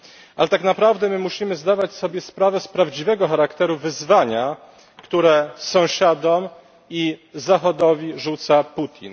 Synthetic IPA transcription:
ʔalɛt̪aknapɾavd̪ɛmɘmuɕimɘzd̪avat͡ɕsɔbʲjɛspɾavɛspɾavd͡ʑivɛɡɔxaɾakt̪ɛɾuvɘzvaɲa | kt̪uɾɛsɔ̃w̃ɕad̪ɔm | izaxɔd̪ɔvʲiʐut̪saput̪ʲʰḭn

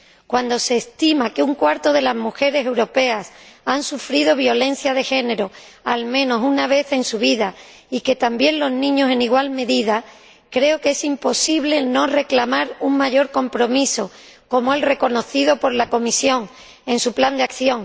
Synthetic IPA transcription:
kwand̪o̞se̞ːst̪imakeuŋkwaɾt̪o̞ðe̞lazmuxe̞ɾe̞se̞wɾo̞pe̞asansufɾiðo̞βjo̞lẽ̞n̟θjað̞e̞xe̞ne̞ɾo̞ | almẽ̞no̞sunaβ̞e̞θe̞nsuβ̞iða | ike̞t̪ambjenlo̞znĩɲo̞se̞niɣ̞walme̞ðiða | kɾe̞oke̞simpo̞siβle̞no̞re̞klamaɾuŋmaʝo̞ɾko̞mpɾo̞miso̞ | ko̞moe̞lre̞ko̞no̞θiðo̞po̞ɾlako̞misjõ̞ŋ | e̞nsupland̪eakθjo̞ŋ

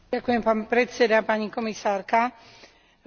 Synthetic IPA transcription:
akujɛmpaːnpɾɛtt͡sɛd̪apaɲikɔmisaːɾka

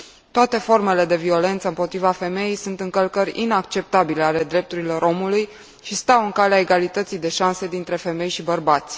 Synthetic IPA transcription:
t̪oat̪e̞fo̞rme̞le̞d̪e̞vio̞le̞nt̪səɨmpo̞t̪ɾivafe̞me̞jejsunt̪ɨŋkəlkəɾʲḭnakt͡ʃe̞p̚t̪abile̞ale̞d̪ɾe̞p̚t̪uɾilo̞ɾʔo̞muluj | ʃist̪awɨŋkaleaeɡalit̪ət̪sijd̪e̞ʃanse̞d̪int̪ɾe̞fe̞me̞jʃibərbat̪sʲ

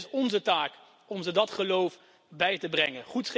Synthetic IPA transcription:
sɔnzətaːk | ɔmzədɑtχəlowf | bɛjtəbrɛŋənχutχ

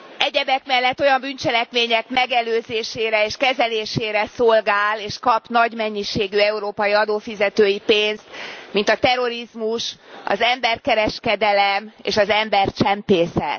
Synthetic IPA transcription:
ɛɟɛbɛkmɛlːɛt̪ːo̞jɒmbynt͡ʃɛlɛkmeːɲɛkmɛɡɛløːzeːʃeːɾɛeːʃkɛzɛleːʃeːɾɛsolɡaːleːʃkɒpnɒɟmɛɲːiʃeːɡyɛuɾoːpɒjiɒd̪oːfizɛt̪øːjipeːnst̪mint̪ɒt̪ɛɾo̞ɾizmuʃɒ̰zɛmbɛrkɛɾɛʃkɛd̪ɛlɛmḛːʃɒzɛmbɛrt͡ʃɛmpeːsɛ̰t̪

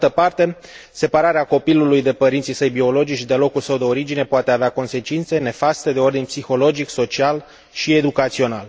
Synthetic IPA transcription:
t̪əpart̪e̞ | se̞paɾaɾeako̞pilulujd̪e̞pəɾint̪sisəjbio̞lo̞d͡ʒikt͡ʃid̪elo̞kulsəwd̪e̞o̞ɾid͡ʒine̞poat̪e̞aveako̞nse̞t͡ʃint̪se̞ne̞fast̪e̞d̪e̞o̞rd̪inpsixo̞lo̞d͡ʒikso̞t͡ʃial | ʃie̞d̪ukat̪sio̞nal

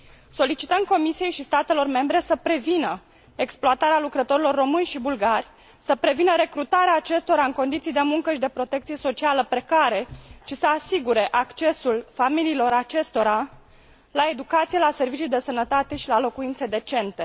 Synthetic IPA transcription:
so̞lit͡ʃit̪əmko̞misije̞jʃist̪at̪e̞lo̞rme̞mbɾe̞səpɾe̞vinə | eksploat̪aɾealukɾət̪o̞ɾilo̞rːo̞mɨnʲʃibulɡarʲ | səpɾe̞vinəɾe̞kɾut̪aɾeaːt͡ʃe̞st̪o̞ɾaɨŋko̞nd̪it̪sijd̪e̞muŋkəʃid̪e̞pɾo̞t̪e̞k̚t̪sijeso̞t͡ʃialəpɾe̞kaɾe̞ʃisəasiɡuɾe̞ʔakt͡ʃe̞sulfamiliːlo̞ɾat͡ʃe̞st̪o̞ɾa | lae̞d̪ukat̪sijelase̞rvit͡ʃijd̪e̞sənət̪at̪e̞ʃilalo̞kuint̪se̞d̪e̞t͡ʃe̞nt̪e̞

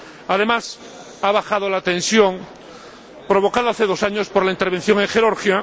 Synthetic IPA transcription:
að̞e̞mas | aβ̞axaðolat̪ẽ̞nsjo̞ŋ | pɾo̞β̞o̞kaðoaθeð̞o̞saɲo̞spoɾlaint̪eɾβen̟θjo̞ŋẽŋxe̞ɾoɾxja

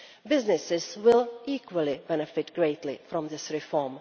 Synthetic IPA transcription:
bɪznɪsɪz̥wɪlˠikwəlˠibɛnɨfɪtɡ̥ɹeɪtlifɹɔ̃mðɪsɹɪfɔɹm

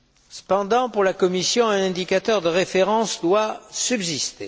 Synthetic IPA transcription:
sə̥pɑ̃d̪ɑ̃puʁlakɔmisjɔ̃ɛ̃nɛ̃d̪ikat̪œʁd̪əʁefeʁɑ̃sd̪wasybzist̪e

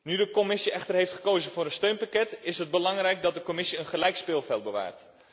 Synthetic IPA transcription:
nydəkɔmɪsiɛχtərɦejftχə̥kowzənvʊːɾənstøɥnpakɛtɪsɦəd̚bəlɑŋrɛjk̚dɑt̚dəkomɪsiənχəlɛjkspɪːlˠvɛlˠt̚bəʋa̰ːrt

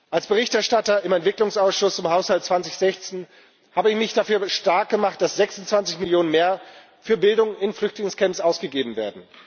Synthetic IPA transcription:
ʔalsb̥əʁɪçtɛɐʃtatɐɪmɛntv̥ɪklʊŋsaʊsʃʊst͡sʊmhaʊshaltt͡sv̥ant͡sɪçz̥ɛçt͡seːn | haːbəɪçmɪçd̥afyːɐʃtaɐk̚ɡ̥əmaχt̚d̥asz̥ɛksʊnt͡sv̥ant͡sɪçmɪljoːnənmeːɐ | fyːɐbɪldʊŋɪnflʏçtlɪŋskʰɛmpsʔaʊsɡ̥əɡeːbm̩veːɐdn̩

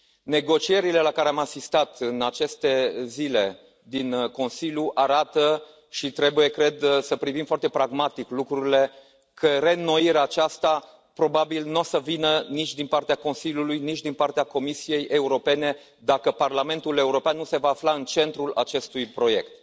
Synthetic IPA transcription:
ne̞ɡo̞t͡ʃie̞ɾile̞lakaɾeamasist̪at̪ɨnat͡ʃe̞st̪e̞zile̞ | d̪inko̞nsilʲjuʔaɾat̪ə | ʃit̪ɾe̞buje̞kɾe̞d̪səpɾivimfoart̪e̞pɾaɡmat̪iklukɾuɾile̞ | kʰəɾe̞no̞iɾeaːt͡ʃast̪a | pɾo̞babilnuosəvinənit͡ʃʲd̪inpart̪eako̞nsiljulujnit͡ʃd̪inpart̪eako̞misije̞jʔe̞uɾo̞pe̞ne̞ | d̪akəparlame̞nt̪ule̞uɾo̞peanːuse̞vaːflaɨnt͡ʃe̞nt̪ɾula̰t͡ʃe̞st̪ujpɾo̞je̞kt̪̚

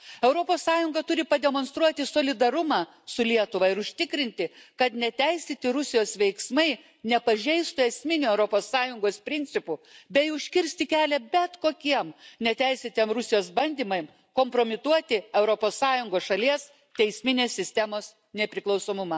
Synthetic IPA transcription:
ɛʊɾoːpoːssɑːjʊŋɡɐt̪ʊɾʲɪpɐd̪ʲɛmoːnst̪ɾuɔt̪ʲɪsoːlʲɪd̪ɐɾʊmɑː | sʊlʲiɛt̪ʊʋɐɪɾʊʃʲt̪ʲɪkɾʲɪnʲt̪ʲɪkɐt̪nʲɛt̪ʲæɪsʲeːt̪ʲɪɾʊsʲɪjoːsʋʲɛɪksmɐɪ | nʲɛpɐʒʲɛɪst̪ʊɛsʲmʲɪnʲuɛʊɾoːpoːsːɑːjʊŋɡoːspʲɾʲɪnʲtt͡s̪ʲɪpʊbʲɛɪʊʃʲkʲɪɾʲsʲt̪ʲɪkʲæːlʲɛbʲɛt̪koːkʲiɛmnʲɛt̪ʲæɪsʲet̪ʲiɛmɾʊsʲɪjoːsbɐnʲd̪ʲiːmɐɪm | koːmpɾoːmʲɪt̪uɔt̪ʲɪɛʊɾoːpoːsːɑːjʊŋɡoːsʃɐlʲiɛs | t̪ʲɛɪsʲmʲɪnʲeːssʲɪsʲt̪ʲɛmoːs | nʲɛpʲɾʲɪklˠɒʊsoːmʊmɐː

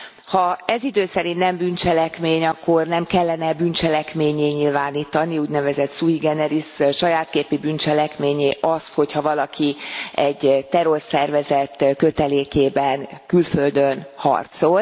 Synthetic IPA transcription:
hɒɛzid̪øːsɛɾint̪nɛmbynt͡ʃɛlɛkmeːɲɒkːo̞rnɛmkɛlːɛnɛbynt͡ʃɛlɛkmeːɲeːɲilvaːniːt̪ɒniuːɟnɛvɛzɛt̪suiɡɛnɛɾisʃɒjaːt̪keːpibynt͡ʃɛlɛkmeːɲeːʔɒsho̞chɒvɒlɒkʰiɛɟt̪ɛɾo̞rsɛrvɛzɛt̪ːkøt̪ɛleːkeːbɛnkylføld̪ønhɒ̰rt̪so̞l

